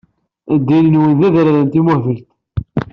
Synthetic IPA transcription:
æd̪ːilnwinðæðɾɾənt̪imævəlt̪

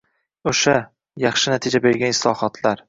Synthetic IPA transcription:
oʃa | jɑχʃɪnat̪ʰɪd͡ʒabe̞ɾɡʲanɪslˠɒhɒt̪ʰlaɾ

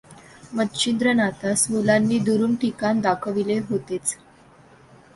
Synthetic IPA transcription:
mət̪t͡ɕind̪ɾənat̪asmulanːiːd̪uɾuːnʈikand̪akʰəʋileɦot̪et͡s

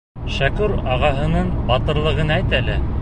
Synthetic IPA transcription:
ʃækʉɾɑʁɑɦɤ̆nɤnbɑt̪ɤ̆ɾlˠɤ̆ʁɤnæjt̪ælɘ

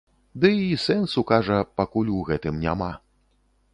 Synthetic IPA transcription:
d̪ɨisɛnsukaʐɐpakulʲuɣɛt̪ɨmnʲa̰ma

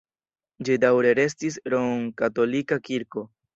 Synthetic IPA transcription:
d͡ʒidawɾe̞ɾe̞s̬tis̬ɾoŋkato̞likakiɾko̞

